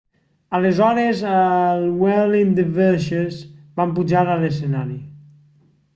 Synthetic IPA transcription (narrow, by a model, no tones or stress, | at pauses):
əlezɔɾezəlˠwɛlind̪eveʃezbampud͡ʒaɾəlesenaɾi